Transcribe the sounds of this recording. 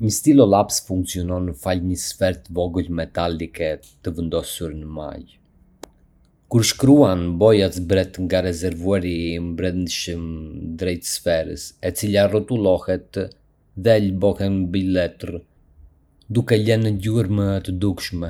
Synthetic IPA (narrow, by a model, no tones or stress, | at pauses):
məst̪ilɔlˠapsfuŋkt͡siɔnɔnəfalɲəsfɛɾt̪vɔɡəlmɛt̪alikɛ | t̪əvənd̪ɔsuɾnəma̰j | kuɾʃkɾuanbɔjasbɾɛt̪ŋɡaɾɛzɛɾvuaɾimbɾɛnd̪ʃəmd̪ɾɛjt̪sfɛɾə̰sɛt͡silarɔt̪ulˠɔhɛt̪ | ðɛlbɔhɛnbilɛt̪r | d̪ukɛlɛnəɟuəɾmət̪əd̪ukʃmɛ